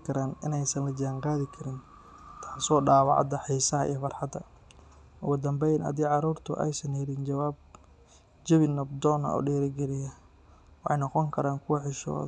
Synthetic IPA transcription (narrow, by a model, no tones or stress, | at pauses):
kʰɐɾaːnɪnɛjsɐnlɐd͡ʒaːŋqaːðɪkʰɐɾɪn | t̪ʰḁːsɔːɖaːwɑ̰ʕɑ̰d̪ɐħiːsɐɦɐʔḭjɔfɑrħɑd̪ɐ̰ | ʔʊ̰ɣʊd̪ɐmbɛjnɐ̰d̪iːʕɑɾuːrt̪ʰʊ̰ʔɛ̰jsɐnɛɾɪnd͡ʒɐwaːb̚ | d͡ʒɪβɪnɐb̚d̪ɔːnɐ̰ɔ̰ːɖɛːɾɪɡɛɾɪjɐ | wɑħɑjnɔqɔŋkʰɐɾaːŋkʰʊwɐħɪʃɔ̰ːð